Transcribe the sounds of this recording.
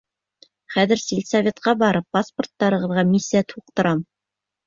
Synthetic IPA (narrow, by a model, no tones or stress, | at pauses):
χæðɘ̆ɾsilʲsavʲet̪qɑbɑɾɤpːasport̪ːɑɾɤ̆ʁɤ̆ðʁɑmʲisʲːijat̪ʰuq̚t̪ɤ̆ɾɑm